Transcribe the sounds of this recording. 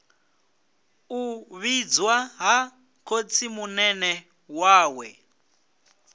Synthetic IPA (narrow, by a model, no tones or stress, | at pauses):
uβid͡zwaɦa | kʰot͡sʰimunɛnɛ | waːwɛ